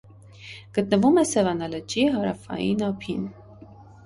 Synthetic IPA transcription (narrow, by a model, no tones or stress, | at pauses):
ɡ̥ət̪nəvumɛsɛvɑnɑləd͡ʒiɦɑɾɑfɑ̰jḭnɑpʰin